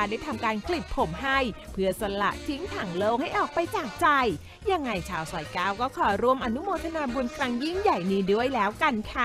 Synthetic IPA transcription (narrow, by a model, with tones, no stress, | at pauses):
daː˥˩jt̪ʰa˧mkaː˧nkʰli˨˩t̪̚pʰo˩˦mɦa˥˩j | pʰɯ˧˥˩əsa˧la̰˨˩ʔt͡ɕ̪ʰi˦˥ŋt̪ʰaː˨˩˦ŋloː˧wha˥˩jʔɔː˨˩k̚pa˧jt͡ɕaː˨˩k̚t͡ɕa˧j | ja˧ŋːa˧jt͡ɕʰaː˧wsaː˨˩˦jkaː˧˩wkɔː˥˩kʰɔː˩˦ɾu˧əmʔa˧nu˦˥moː˧t̪ʰa˧naː˧bu˧nkɾa˧ŋji˥˩ŋja˨˩jniː˦˥du˥˩əjlɛː˦˥wka˧nkʰa˦˥˩